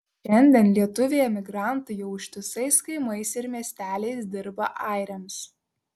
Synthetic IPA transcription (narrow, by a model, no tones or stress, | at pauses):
ʃʲɛnʲd̪ʲiɛnlʲiɛt̪ʊʋʲejɛmʲɪɡɾɑˑnˑt̪ʊjɛʊʃʲt̪ʲɪsɐɪskɐɪmɐɪsɪɾmʲiɛsʲt̪ʲæːlʲɛɪsd̪ʲɪɾbɐʔɑˑɪɾʲɛms